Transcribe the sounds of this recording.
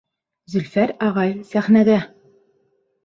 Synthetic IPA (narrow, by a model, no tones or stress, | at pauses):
zɵ̆lfæɾɑʁɑjsæχnæɡæ